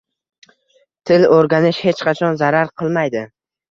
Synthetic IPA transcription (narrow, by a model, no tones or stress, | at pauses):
t̪ʰɪloɾɡʲanɪʃhe̞t͡ʃqʰɑt͡ʃʰɒnzaɾaɾqʰɨlˠmajd̪ɪ